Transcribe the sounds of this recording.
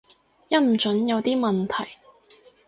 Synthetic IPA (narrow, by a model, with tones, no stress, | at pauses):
jɐ˥t̚m̩˨˩t͡ʃɵ˨˥njɐ˨˧wt̪iː˥mɐ˨nt̪ʰɐ˨˩j